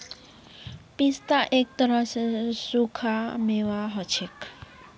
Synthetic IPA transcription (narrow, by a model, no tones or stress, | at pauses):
pist̪aʔek̚t̪əɾəsesukʰameʋaɦɔt͡ʃʰek